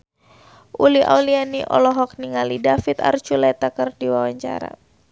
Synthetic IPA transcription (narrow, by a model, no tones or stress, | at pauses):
ʔulia̰ulianiʔɔ̰lɔɦɔk̚niŋalidafit̪a̰rt͡ʃulɛt̪akərdiwawaɲt͡ʃa̰ɾa̰